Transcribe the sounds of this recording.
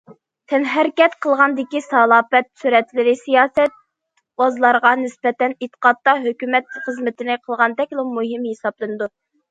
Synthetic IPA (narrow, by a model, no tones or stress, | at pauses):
t̪ʰɛnɦæɾkʲɛt̪qʰəlˠʁɑnd̪ɪkʲisɑlˠɑːpɛt̪syɾɛt̪lɪɾɪsijɑːsɛt̪̚ | wɑzlˠɑɾʁɑnɪspɛt̪ɛnet̪ːə̥qɑt̪ːɑɦøkʲymɛt̪χəzmɪt̪ɪnɪqʰəlˠʁɑnd̪ɛkʲlˠɪmuɦimjesɑblˠɨnɨd̪u